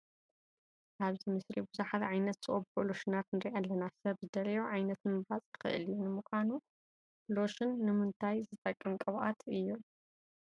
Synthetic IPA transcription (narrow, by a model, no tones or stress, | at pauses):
ʔaβzimɨsɾibuzuħat̪ʕajnɐt̪z̥ɨʔoboloʃɨnat̪nɨɾiʔalːɐnasɐβzɨd̪ɐɾijoʕajnɐt̪mɨβɾat͡sʼkɨ̥xɨ̰ʔɨ̰ljunɨmukʷanu | lo̞ʃɨnːɨmɨnt̪ʰajzɨt̪ʼɐkʼːɨnkʼɐβʔat̪ʰɨjːu